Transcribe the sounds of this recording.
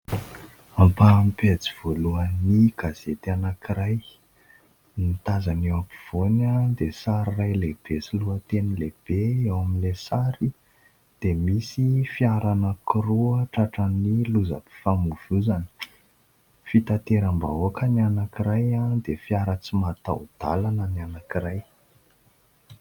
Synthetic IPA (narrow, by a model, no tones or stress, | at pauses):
ampampet͡siv̥oluəniɡ̥az̥et̪anakiɾaj | nit̪azanewapiv̥onad̪esaɾirajleb̥esiluət̪enileb̥eewamilesaɾi | d̪̥emisifiaɾanəkʰiruəʈ͡ʂaʈ͡ʂəniluza̰pi̥famuv̥uzani̥ | fit̪at̪eɾamba̰okənianakiɾajad̪efiaɾət͡simat̪a̰wd̪̥alanənianakiraj